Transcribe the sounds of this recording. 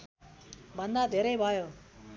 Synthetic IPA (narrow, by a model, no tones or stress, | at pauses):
bʱʌnd̪ad̪ʱeɾʌjbʱʌjo